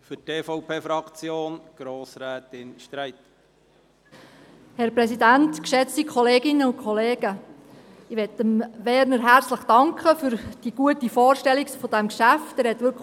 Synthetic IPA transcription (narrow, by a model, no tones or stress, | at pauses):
fʏteːfɔwpʰeːfɾɑkt͡sjoːnɡ̥ɾoːsɾɛːtɪnʃtɾæɪt | hɛɾpɾɛsidæntkʃɛt͡stikʰɔleːɡɪnːəʊnkʰχɔleːɡ̥ə | ɪʋɛtəmʋɛːɾnəɾɦæɾt͡sləχd̥ɑŋkχəfʏɾd̥iɡ̥uətifoːrʃtɛlikfɔd̥æmkʃæftɛːɾhɛt̪ʋʏɾk